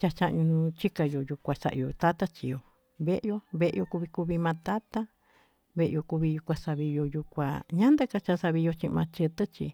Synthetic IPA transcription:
t͡ʃa˧t͡ʃa˧ʔɲũ˧nũ˧t͡ʃi˦ka˧jo˧ju˧kʷa˨sa̰˧ʔjo˧˨t̪a˦t̪a˦t͡ʃḭ˧jo˨ | βe˦ʔjo˧βe˧˦ʔjo˧ku˧βi˧ku˧βi˧mã˧t̪a˦t̪a˦ | βe˧ʔjo˧ku˧βi˧ju˧kʷa˧sa˧βi˧jo˧ju˧kʷa̰˧ɲã˦nd̪e˦ka˧t͡ʃa˧sa˧βi˧jo˧t͡ʃĩ˧mã˧t͡ʃe˧t̪ɨ˦t͡ʃḭ˧

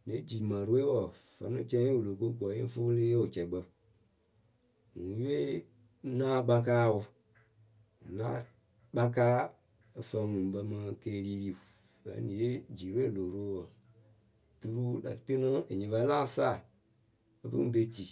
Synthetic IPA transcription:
ne˨˦d͡ʒi˨mã˨ɾe˦wɔ˨ | fə̰˨nũ˦t͡ʃɛ̃˦wu˨lo˨ko˦ɡɔ˨˦e˦fo˦leː˦o˨t͡ʃɛ˨˦ɡ͡bə˧ | ŋũ˨˦je˦ | nãː˦ɡ͡ba˧kaː˦wu˧˨ | lã̰ː˦ | ɓa˧kaː˦ | e˨fə˧˦ŋũ˨ɓə˧mã˧˦keː˦li˦li˦ | ə̰˨˦nĩ˨je˦d͡ʒi˨ɾe˦˨lo˨ɾo˦wɔ˨ | tu˧ɾu˦da̰˨tɨ˦nã˦e˨ɲĩ˨ba˧˦lã˦saː˦˨ | ə˦bɨ̰˦ŋ̩˦be˦ti˨

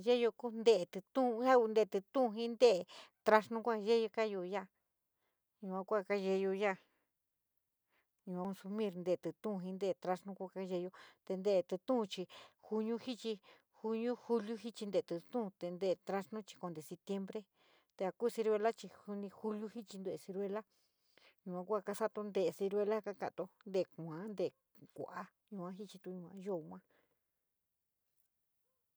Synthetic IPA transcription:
ʒe˦jo˧ku˦nd̪e˧˨t̪ɨ˧t̪ũ˦˧ã˦u˧nd̪e˧˨t̪ɨ˧t̪ũ˦˧ɦĩ˦nd̪e˦˨˧t̪ɾa˧ʂnũ˦kʷa˦˧ʒe˦jo˧ka˦jo˧ja˦˨ | ɲũ˧kʷã˧kʷa˦˧˨ka˦ʒe˧jo˧ja˦˨ | ɲũ˧˨a˧o˧nsu˧mĩ˦˧ɾnd̪e˧˨t̪ɨ˨t̪ũ˦˧ɦĩ˧nd̪e˦˧˨t̪ɾa˧ʂnũ˧˦kʷu˦˧ka˦ʒe˧jo˧t̪e˧nd̪e˧˨t̪ɨ˧t̪ũ˦˧t͡ʃi˧xu˧ɲũ˧hi˦t͡ʃi˧ | hu˧ɲũ˦xu˦lju˦ɦi˦t͡ʃi˧nd̪e˧˨t̪ɨ˧t̪ũ˦˧t̪e˧nd̪e˧˨˧t̪ɾa˧ʂnũ˦t͡ʃi̥˧ko˧nd̪e˨se˧p̚t̪je˧mbɾe˦ | t̪e˧a˧kuː˦˧si˧ɾwe˧la˦t͡ʃi˧hu˧nĩ˧xu˦lju˦hi˦t͡ʃi˧nd̪o˧e˨si˧ɾe˧la˦ | ɲũ˧ã˧kʷa˧ka˧sa˦t̪o˧nd̪e˧˨˧si˧ɾwe˧la˦ka˧ka̰˧ʔt̪o˧nd̪e˧˨˧kʷã˨˦nd̪e˧˨ | kʷṵ˧˨ʔa˧ | ɲũ˧ã˧˦ɦi˦t͡ʃi˧t̪ũ˧ɲũ˧ã˧ʒo˦˨˧ŋʷã˦

